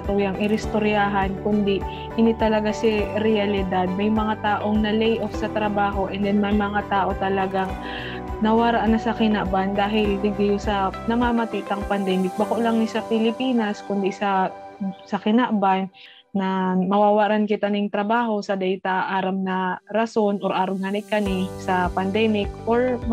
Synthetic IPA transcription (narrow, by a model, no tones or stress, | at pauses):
t̪ujɐŋʔɪɾɪst̪oɾjaːɦɐnkʊnd̪ɪ | ʔɪnɪt̪ɐlɐɡasɪɾɛjɐlɪd̪ad̪̚mɐjmɐŋat̪aːʔo̞ŋnɐlɛjʔofsɐt̪ɾɐbaːɦo̞ʔɛnd̪ɛnmɐjmɐŋat̪aːʔo̞t̪ɐlɐɡaŋ | nɐwaːɾaʔnɐsɐkɪnaʔband̪aːɦɪlbɪɡ̪̚ɪjosɐnɐmaːmɐt̪iʔt̪ɐŋpɐnd̪ɛmɪk̚bɐkoʔlɐŋnɪsɐpɪlɪpiːnɐskʊnd̪isɐ | sɐkɪnaʔbanː | ɐmɐwaːwaɾankɪt̪anɪŋt̪ɾɐbaːɦo̞sɐd̪ɛjt̪ɐʔaːɾɐmnɐɾɐso̞nʔo̞ɾʔaːɾɐmhanɪkːɐnɪsɐpɐnd̪ɛːmɪkʔoɹ